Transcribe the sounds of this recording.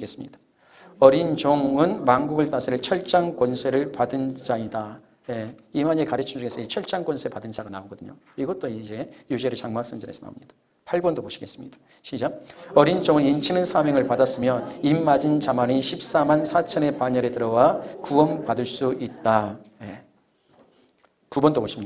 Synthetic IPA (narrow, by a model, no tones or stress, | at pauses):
ɡe̞s͈ɯmɲid̥ḁ | ʌɾind͡ʑoŋɯnmanɡuɡɯɭt͈asʰeɾɯɭt͡ɕʰʌɭt͡ɕ͈aŋkwʌnsʰe̞ɾɯɭpadɯnd͡ʑaida | jeimaɲekaɾɯt͡ɕʰimd͡ʑuɡe̞s͈ɯid͡ʑet͡ɕʰʌɭt͡ɕ͈aŋkwʌnsʰepadɯnd͡ʑaɡana̰oɡʌdɯɲo̰ | iɡʌt̚t͈oid͡ʑe̞jud͡ʑeɾɯɭt͡ɕaŋmak̚s͈ɯmd͡ʑɯ̰ɾesʰʌna̰omɲid̥a | pʰaɭbʌndopoɕʰi̥ɡe̞s͈ɯmɲid̥ḁ | ɕʰid͡ʑaʌɾint͡ɕʌŋɯɭint͡ɕʰinɯnsʰameŋɯɭpadas͈ɯmjʌnimːad͡ʑint͡ɕamaniɕʰip̚s͈amansʰat͡ɕʰʌne̞paɲʌɾetɯɾʌwakuʌnpadɯɭs͈uit̚t͈aje | kubʌndopoɕʰimɲi